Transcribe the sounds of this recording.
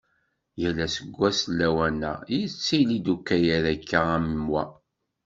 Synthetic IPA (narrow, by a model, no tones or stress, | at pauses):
jælːæsəɡʷːæsəlːæwænæ̰jit͡sːijlid̪ukːæjæðækːææmmwæ